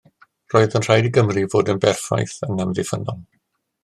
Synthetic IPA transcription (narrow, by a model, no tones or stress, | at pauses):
roːɨðənr̥ajdiɡəmrivoːdənbɛrfa̰jθəŋəmðɪfənɔlˠ